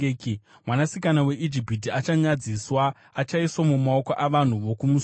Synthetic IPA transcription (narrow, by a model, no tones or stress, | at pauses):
mwanasikanawe̞ʔid͡ʒipit̬iat͡ʃaɲad͡ziswaː | t͡ʃaiswamumao̞koʔaʋan̤uʋo̞kumu